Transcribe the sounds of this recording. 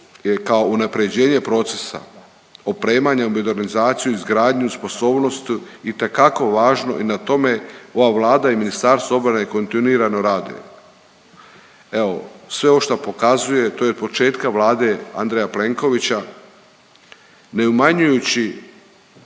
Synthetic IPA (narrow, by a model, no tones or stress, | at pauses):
je̞kao̞unapɾe̞d͡ʑe̞ːɲe̞pɾo̞t̪se̞sa̰ | opɾe̞ːmaɲaumod̪e̞ɾnizaːt̪sijuizɡɾaːd̪ɲuspo̞so̞ːbno̞st̪uit̪e̞kako̞ʋaːʒno̞̰ʔinat̪o̞me̞o̞ʋaːʋlˠaːd̪aiminist̪aɾst̪vao̞bɾanajeko̞nt̪iniːɾano̞ɾaːd̪ṵjḛ | e̞o̞sʋe̞oʃt̪apo̞kazuje̞t̪o̞jo̞d̪̚po̞t͡ʃe̞ːt̪kaʋlaːd̪e̞a̰nd̪ɾejaple̞ŋko̞ʋit͡ɕa | ne̞umaɲujut͡ɕi